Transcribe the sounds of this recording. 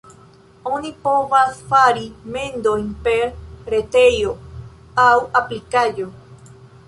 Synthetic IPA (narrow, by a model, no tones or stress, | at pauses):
õnĩpoβasfaɾimẽnd̪oĩmpeɾɾet̪eɾjo | awʔaplikajo